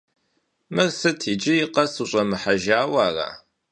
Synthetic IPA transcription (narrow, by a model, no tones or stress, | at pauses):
mɨrsɨtʰid͡ʒɪjɪqɐsuɕʼɐmɨħaʒaːwaːra̰